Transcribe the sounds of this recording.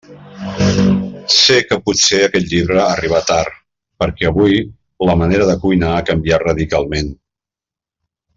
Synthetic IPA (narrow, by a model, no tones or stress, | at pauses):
sekəput̪seəkɛt̪ʎiβɾəːriβat̪ar | pəɾkɛəβuj | ləməneɾəðəkujnaːkəmbiarəðikalˠmen